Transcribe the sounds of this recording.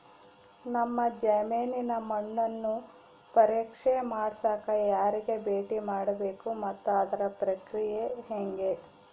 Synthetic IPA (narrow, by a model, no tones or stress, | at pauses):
nɐmːɐd͡ʒɐmeːninɐmɐɳːɐnːu | pɐɾiːkʂemaːɽsaːkɐjaːɾiɡe̞beːʈimaːɽɐbeːkumɐt̪ːuɐd̪ɐɾɐpɾɐkɾijeɦeŋɡe̞